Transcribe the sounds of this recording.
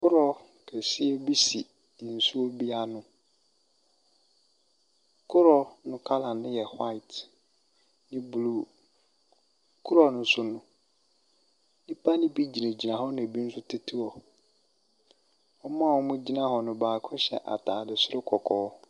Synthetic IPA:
kʰʊ˦ɾɔ˦ | kʰɛ˨si˦ɛ˦bi˦si˨ | n̩˨su˦o˦bi˦a˦nʊ̃˨ | kʰʊ˦ɾɔ˦nʊ̃˦kʰa˦lã˨n˨nɪ̃˦jɛ˨ha˦ɪ˨t | nɪ̃˦bu˨luː˦˨ | kʰʊ˦ɾɔ˨nʊ̃˨n˦sʊ˦nʊ̃˦ | nĩ˦pʰa˦nɪ̃˦bi˦d͡ʑi˨nẽ˨d͡ʑi˨nã˨ɦɔ˦nã˨bi˦n̩˦sʊ˦tʰe˦tʰi˦ɔ˨ | ɔ˦mã˦˨wɔ˦mʊ̃˦d͡ʑi˦nã˦ɦɔ˨nʊ̃˨baː˨kʰʊ̃˦ɕɛ̰˨ʔa̰˨tʰaː˨dɪ˨sʊ˦ɾʊ˦kʰɔ˨kʰɔː˨˦

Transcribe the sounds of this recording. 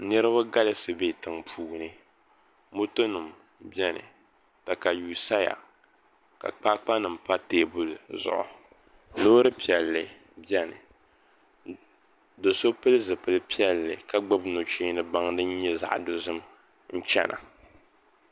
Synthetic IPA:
nɨ˦ɾɨ˦βa˦ɡa˦lɨ˦sɨ˨beː˦˨tɨ˨ŋpʰuː˨nɨ˦ | mo˦to˦nu˨m | bɛ˦nɨ̰˨ | ta˨ka˨juː˨sa˦ja̰˨ | ka̰˨k͡paː˦k͡pa˦nɨ˨m̩˨pa˦teː˦˨bu˦lzʊ̰˨ʔʊ̰˨ | noː˦ɾɨ˦pi˨ɛ˨lːɨ˨ | bjɛ˦nɨ̰˨ | do˨so˦pɨ˦lɨ˦zɨ˨pɨ˨lɨ˦pi˦ɛ˦lːɨ̰˨ka˦ɡ͡bɨ˦bno˨t͡ʃeː˦nɨ˦ba˦ŋdɨ˦n˦ɲɛ˦za̰˨ʔdo˨zɨ˦m | n̩˦t͡ʃɛ̰˦na̰˨

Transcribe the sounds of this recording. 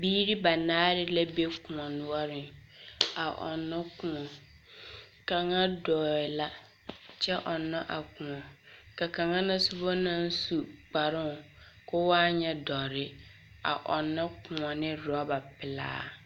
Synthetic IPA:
biː˦ɾi˦ba˨naː˦ɾɪ˦la˦be˦kũ˨ɔ˨nʊ˦wɔ˦ɾɪ˨ | a˨ʔɔ̰˨nːʊ̃˦kʊ̃˦˨ɔ˨ | kã˨ŋã˦dɔː˨ɪ˨la˦ | t͡ʃʰɛ˦ʔɔ˨nːã˦ʔa˨kũ˨ɔ̃˨ka˨kã˨ŋã˦nã˦su˦bɔ˦nã˦n˦su˨k͡pa˨ɾɪ̃˦˨ | kʊ˦wa˦ɲɛ˦dɔ˨ɾɪ˦ | a̰˨ʔɔ˨nːʊ̃˦kʰʊ̃˨ɔ˨nɪ̃˦ɾɔ˨˦ba˨pɪ˨la̰ː˦

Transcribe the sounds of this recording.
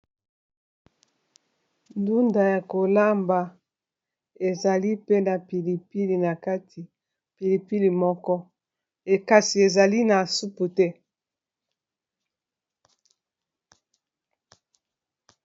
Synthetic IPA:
ndu˦nda˨ja˨ko˨la˦mba˨ | e˨za˨li˦pe˦na˨pi˨li˨pi˦li˨na˨ka˦ti˨ | pi˨li˨pi˦li˨mɔ˦kɔ˦ | e˨ka˨si˨e˨za˨li˦na˨su˦pu˨tɛ˦

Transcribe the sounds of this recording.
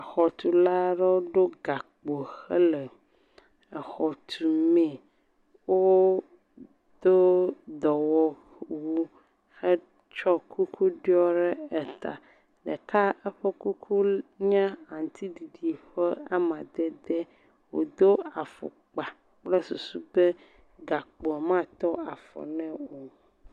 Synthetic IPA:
a˨xɔ˨t̪u˨la˦ɖe˦o˦ɖo˦ɡa˨k͡po˨xɛ˦lɛ˨ | ɛ˨xɔ˨t̪ʰu˨mɛ̃˨ | wo˦ | d̪̥o˦d̪ɔ˨wɔ˦ | wu˦ | xɛ˦ | t͡ʃɔ˦kʰu˦kʰu˦ɖi˦ɔ˦ɖɛ˦ɛ˨t̪a̰˨ | ɖɛ̰˨ka˦ɛ˦ɸɛ˦ku˦kʰu˦ɲã˦ã˨ŋ˨t̪ʰi˦di˨ɖi˨ɸɛ˦a˦mã˨d̪ɛ˦d̪ɛ˦ | wo̰˨d̪o˦a˨fɔ̰˨k͡pa˨ | k͡plɛ˦su˨su˦bɛ˦ | ɡa˨k͡pɔ˨mã˦t̪ɔ˦a˨fɔ̰˨nɛ̃˦o˨

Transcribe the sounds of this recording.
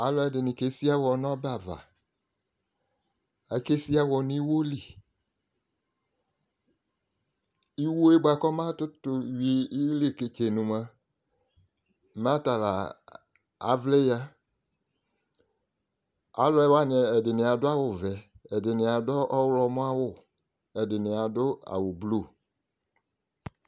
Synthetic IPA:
a˨lɔ˨ɛ˨dɪ˨nɪ̃˨ke˨˦si˦a˦wɔ˨nɔ̃˦ba˨va̰˨ | a˨ke˦si˦a˦wɔ˨nĩ˦wo˦li˨ | i˦wo˦e˦ɡ͡ba˨kɔ˦mã˦tʊ˦tʊ˨wiː˨˦le˦˨ke˨t͡ʃe˨nũ˨mã˨ | m˦ã˦ta˨la̰˨ | a̰˨˦vle˦ja˦ | a̰˦lɔ˨˦ɛ˦wa˦n˨ɛ˨ɛ˨dɪ˨nɪ˨a˨dʊ˦a˦wʊ˨vɛ˨ | ɛ˨dɪ˨nɪ˨a˨dɔ˦ʔɔ˦wlɔ˨mʊ̃˦a˦wʊ˦˨ | ɛ˨dɪ˨nɪ˨a˨dʊ˦a̰˨wʊ˨blu˦˨

